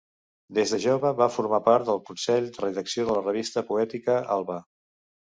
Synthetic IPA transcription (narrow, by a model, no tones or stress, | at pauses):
d̪ezðəʒoβəβafuɾmapaɾt̪d̪əlˠkunsɛʎd̪ərəðəksioðələrəβ̞ist̪əpuɛt̪ikəʔa̰lˠβə